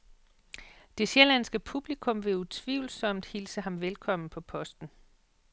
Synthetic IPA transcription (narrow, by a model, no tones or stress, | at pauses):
d̥e̝selænsɡ̥əpʰub̥likʰɔ̽mʋe̝ut͡sʰʋiʊl̩sɒ̽m̰d̥hilsəɦɑ̈mʋelkʰɒ̽m̰n̩pʰɒ̽pʰɒ̽sd̥n̩